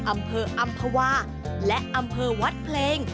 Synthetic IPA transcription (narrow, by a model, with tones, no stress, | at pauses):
ʔa˧mpʰɤː˧ʔa˧mpʰa˧waː˧˩ | lɛ˦˥ʔʔa˧mpʰɤː˧wa˦˥t̪̚pʰleː˧ŋ